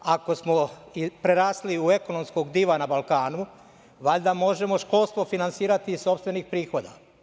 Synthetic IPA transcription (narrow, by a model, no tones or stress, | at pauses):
ako̞smo̞ipɾeɾaːsliue̞ko̞no̞msko̞ɡd̪iʋanabalˠkaːnu | ʋaʎd̪amo̞ʒe̞mo̞ʃkolst̪ʋo̞finansiːɾat̪iso̞pst̪ʋe̞nixpɾiːxo̞d̪a̰